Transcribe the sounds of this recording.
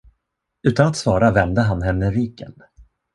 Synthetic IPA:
ʉ̟ːt̪anat̪svɑːɾavɛnd̪əɦanɦɛnːəɾiːkə̰n

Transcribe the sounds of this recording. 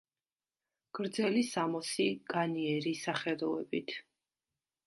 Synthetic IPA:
ɡ̥ɾd̪zɛlisamɔsiɡ̥aniɛɾisaχɛd̪ɔɛbit̪ʰ

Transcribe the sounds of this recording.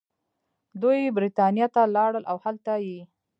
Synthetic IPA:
d̪ujbɾit̪ɑnjɑt̪alɑɽəlawhalt̪aji

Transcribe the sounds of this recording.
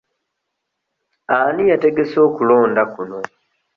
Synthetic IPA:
anijate̞ɡe̞so̞ːkulo̞ːndakuno̞

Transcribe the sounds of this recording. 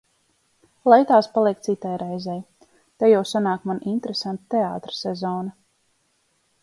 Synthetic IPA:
lˠajt̪aːspalˠiɛk̚t̪sit̪ajɾɛjzɛj | t̪ajawsanaːkmanint̪eɾesant̪t̪eaːt̪ɾḁsɛzɔːna

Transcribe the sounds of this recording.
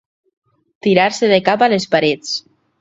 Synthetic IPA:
t̪iɾaɾseðekapalespaɾet͡s

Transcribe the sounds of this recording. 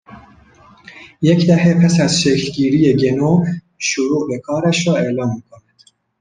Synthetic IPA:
jɛkd̪ɛhɛpʰɛsæzʃeklɡiːɾijeːɡenov | ʃuɾuːʔbɛkʰɑːɾɛʃrɑːeːlɑːnbɨkʰonɛ

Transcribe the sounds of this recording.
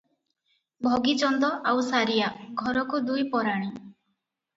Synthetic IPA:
bʱɔɡid͡ʒɔnd̪ɔʔawsaɾijaɡʱɔɾɔkud̪ujpɔɾaɽ̃i

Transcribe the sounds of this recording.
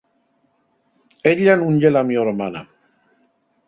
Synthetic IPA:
eʎːanuɲɟelamioɾmana̰

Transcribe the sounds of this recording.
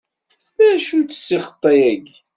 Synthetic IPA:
ðæʃut͡sːə̥sːiχə̥t̪ˤːɑjæɡ

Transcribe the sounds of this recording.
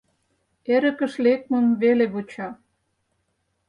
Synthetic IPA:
eɾə̆kə̆ʃlek̚mə̆mβeleβot͡ɕɑ

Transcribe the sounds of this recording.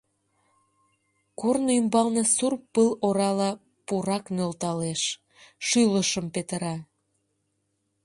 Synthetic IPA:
kornoymbɑlnesurpːəloɾɑlɑ | puɾɑknølt̪ɑleʃ | ʃyləʃəmpet̪əɾɑ

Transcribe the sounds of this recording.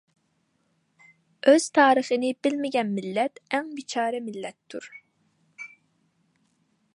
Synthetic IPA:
øz̥t̪ʰɑːɾəχənɪbɪlmɪɡʲɛnmilːɛt̪ɛŋbit͡ʃʰɑːɾɛmilːɛt̪ʰːuɾ

